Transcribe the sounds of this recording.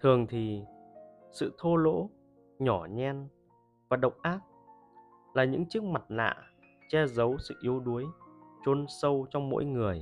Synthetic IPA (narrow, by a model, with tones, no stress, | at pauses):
t̪ʰɨ˨˩əŋt̪ʰi˨˩ | sɨ̰˧˨t̪ʰo˧lo̰˧˥ | ɲɔ˧˩ɲɛ˧n | vaː˨˩ɗə˨˩wk͡p̚ʔaː˦˥t̚ | laː˨˩ɲɨ̰˧˥ŋt͡ɕɨ˦˥ək̚ma˨˩t̚la̰ː˧˨ | t͡ɕɛ˧zə˨˦wsɨ̰˧˨ʔi˨˧əwɗu˨˦əjt͡ɕo˧nsə˧wt͡ɕɔ˧wŋ͡mmo̰˧˥jŋɨ˨˩əj